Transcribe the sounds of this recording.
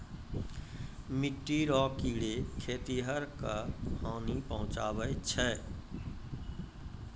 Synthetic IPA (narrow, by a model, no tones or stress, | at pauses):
miʈːiɾɔːkiːɽekʰeːt̪iɦəɾkapʰaːnipəɦʊ̃t͡ʃaːbəjt͡ʃʰɛ